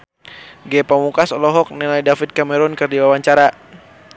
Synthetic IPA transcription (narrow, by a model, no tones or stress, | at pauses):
ɡɛpamukasɔlɔɦɔk̚nɛlajdafit̪̚kamɛɾɔnkɨrdiwawaɲt͡ʃaɾa